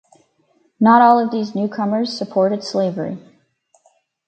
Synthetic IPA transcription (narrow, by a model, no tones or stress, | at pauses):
nəɾɔlˠʌvðiznʉkʰʌmə˞z̥səpʰɔɹɾɨd̥sleɪvə˞ḭ